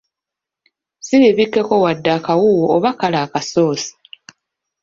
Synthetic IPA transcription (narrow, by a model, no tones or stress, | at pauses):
siβiβikːe̞ko̞wadːakawuwoːβakalaːkaso̞ːsi̥